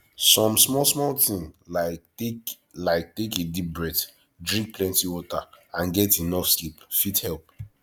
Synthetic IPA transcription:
sɔ̃msmɔlsmɔltĩŋlaɪk | laɪk̚tekedip̚bɹɛd | dɹĩk̚pʰlɛ̃ntiwɔtaãnɡɛtinɔfskipfithɛlˠp̚

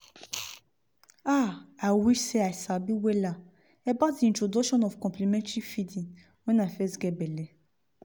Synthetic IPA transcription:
aajwiʃseajsabiwɛla | ɛbatdiĩntɾodɔʃɔ̃nɔfkɔ̃mplimɛ̃ntɹifidĩŋ | wɛ̃nafɛsɡɛbɛlɛ

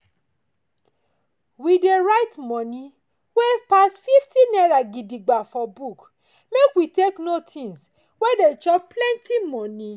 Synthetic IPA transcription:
wideɾajtmɔ̃nĩ | wepasfiftinɛɾaɡidiɡ͡bafɔbuk | mekwiteknotʰĩns | wɛdet͡ʃɔplɛ̃ntimɔ̃nĩ

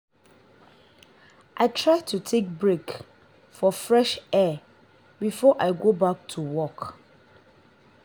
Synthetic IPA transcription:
ʔaɪtʰɹaɪtʰutʰek̚bɹek | fɔfɹɛʃɛ | bifɔʔaɪɡobak̚tʰuwɔk

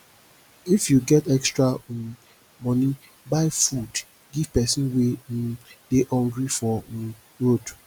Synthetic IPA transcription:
ifjuɡɛtɛkstɹa | mɔni | baɪfud | ɡiv̥pɛsĩnwe | d̥ehɔ̃ŋɡɹifɔ | lot

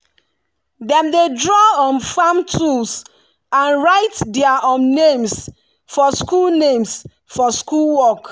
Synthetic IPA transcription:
dɛ̃mdedɹɔɔ̃nfãmtʰuls | ãnɹaɪtdɛaʔɔ̃nnẽms | fɔskulnẽms | fɔskulwɔk

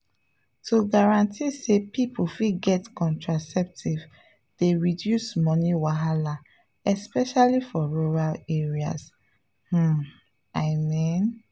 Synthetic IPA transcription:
tuɡaɹãntʰisepipʰufiɡɛtkɔ̃ntɹasɛp̚tʰiv | d̥eɹidjusmɔniwaɦala | ɛspɛʃalifɔɹuɹaleɹia̰s | h̩ | aɪmĩn

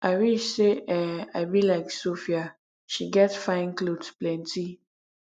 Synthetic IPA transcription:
ʔaɪwiʃseʔɛaɪbilaɪksofia | ʃiɡɛtsfaɪ̃ŋklodsplɛ̃nti

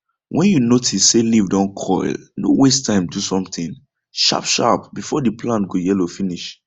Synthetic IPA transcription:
wʔɛ̃njunotʰisselivdɔ̃nkʰɔ̰ɪlno̰westʰãɪ̃mdusɔ̃mtĩn | ʃa̰pʃa̰pbifɔdipʰlãntɡojɛlofiniʃ

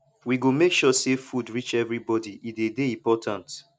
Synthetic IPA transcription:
wiɡomekʃɔsefudɹit͡ʃɛvɹibɔdiʔidedeĩmpɔtʰãnt

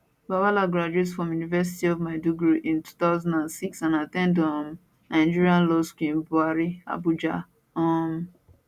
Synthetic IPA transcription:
bawalaɡɹad͡ʒuetsfɹɔ̃mjunivɛs̬itiɔvmaɪduɡɹoʔĩntu̥t̪aʊzɔ̃ndãnsiksãnatɛ̃ndɔm | nãɪ̃nd͡ʒiɹiãnlɔskĩnbuaɹia̰bud͡ʒa | ɔ̃m

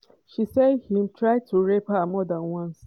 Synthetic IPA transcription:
ʃisedhĩmtɾaɪd̚tʰuɾepamɔdãnwãns

